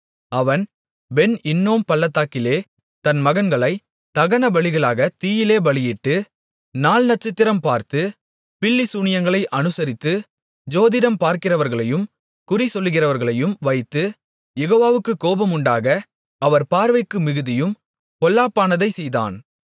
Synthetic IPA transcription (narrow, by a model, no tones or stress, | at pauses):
ɐʋɐn | bɛnɪnːoːmpɐɭːɐt̪ːaːkɪleː | t̪ɐnmɐɣɐnɡɐɭɐɪ | t̪ɐɣɐnɐbɐɭɪɣɐɭaːɣɐt̪iːjɪleːbɐɭɪjɪʈːɯ | naːlnɐʈ̚t͡ʃːɪt̪ːɪɾɐmpaːɾt̪ɯ | pɪlːɪsuːɳɪjɐŋɡɐɭɐɪʔɐnɯsɐɾɪt̪ːɯ | d͡ʒoːðɪðɐmpaːɾkɪrɐʋɐɾɣɐɭɐjɯm | kʊrisɔlːɯɣɪrɐʋɐɾɣɐɭɐjɯmʋɐɪt̪ːɯ | jɛɣoːʋaːʋɯkːɯkoːbɐmʊɳɖaːɣɐ | ɐʋɐɾpaːɾʋɐɪkːɯmɪɣɯðɪjɯm | pɔlːaːpːaːnɐðɐɪsɛjða̰ːn